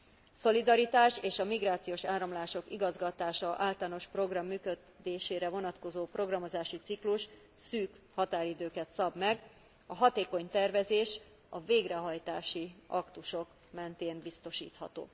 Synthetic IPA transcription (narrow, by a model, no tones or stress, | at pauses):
so̞lid̪ɒɾit̪aːʃeːʃɒmiɡraːt̪sijoːʃaːɾɒmlaːʃo̞kiɡɒzɡɒt̪aːʃɒʔaːlt̪aːno̞ʃpro̞ɡrɒmːyːkø | d̪eːʃeːɾɛvo̞nɒt̪ko̞zoːpro̞ɡrɒmo̞zaːʃit̪sikluʃ | syːk | hɒt̪aːɾid̪øːkɛt̪sɒbmɛɡ | ɒɦɒt̪eːko̞ɲt̪ɛrvɛzeːʃ | ɒveːɡrɛɦɒjt̪aːʃiɒkt̪uʃo̞k | mɛnt̪eːnbist̪o̞ʃḭːt̪hɒ̰t̪o̰ː